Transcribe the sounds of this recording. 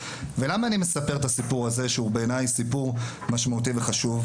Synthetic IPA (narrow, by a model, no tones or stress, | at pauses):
ve̞lamaːnime̞sape̞ʁet̪asipuʁaze̞ʃeube̞ːnajsipuʁ | maʃmaut̪̬ive̞χaʃuv